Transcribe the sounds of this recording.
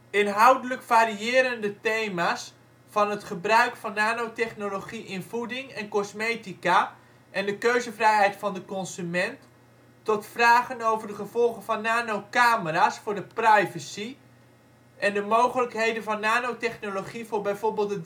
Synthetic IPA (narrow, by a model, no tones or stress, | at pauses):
ɪnɦɑwdələkfaːɾiɪːɾəndətejmaːs | fɑnɦətχəbrœɥkfɑnːaːnowtɛχnoloχiʔɪnvudɪŋɛnkɔsmejtika | ʔɛndəkøɥzəvrɛjɦɛjtfɑndəkɔnzymɛntː | ɔtfraːχənowvərdəχəv̥ɔlˠχəvɑnːaːnowkaːməraːsfʊːɹdəprɛjvəsi | ʔɛndəmowχələkɦejdənvɑnːaːnowtɛχnoloχivʊːrbɛjvoɹbɪːlˠtə